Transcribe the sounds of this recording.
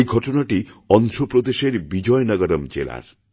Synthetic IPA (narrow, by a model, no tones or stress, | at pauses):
jɡʱɔʈonaʈiɔnʃopɾod̪eʃeɾbid͡ʒɔjnʌɡɔɾɔmd͡ʒḛla̰ɾ